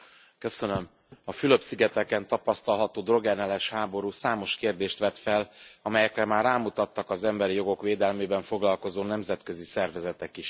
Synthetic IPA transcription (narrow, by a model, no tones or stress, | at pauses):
kø̞sønø̞m | ɒfyløpsiɡɛt̪ɛkɛnt̪ɒpɒst̪ɒlɦɒt̪oːd̪ro̞ɡɛnɛlɛʃhaːbo̞ɾuːsaːmo̞ʃkeːrd̪eːʃt̪ʋɛt̪fɛlɒmɛjɛkrɛmaːrːaːmut̪ɒt̪ːɒkɒzɛmbɛɾijo̞ɡo̞kʋeːd̪ɛlmeːbɛɱfoɡlɒlko̞zoːnɛmzɛt̪kø̞zisɛrvɛzɛt̪ɛkiʃ